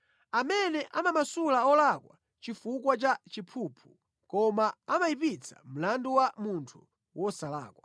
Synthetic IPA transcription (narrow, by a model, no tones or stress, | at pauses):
amɛnɛʔamamasulaɔlakwa | t͡ʃifukwat͡ʃat͡ʃipʰuːpʰu | kɔmaamaipit͡sʰḁ̰m̩landuwamuntʰu | wʔɔsala̰ːkwa